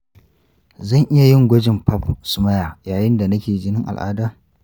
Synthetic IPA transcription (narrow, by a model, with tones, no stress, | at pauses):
zɐ˦˨ŋʔɪ˦ja˨jɪ˦ŋɡʷɐ˦d͡ʒɪ˨mpɐ˦psʊ˨mɐ˦jaː˨jaː˨jɪ˦nda˨nɐ˦kʲeː˨d͡ʒɪ˦nɪ˦ŋʔa̰˨lʔa̰ː˦daː˦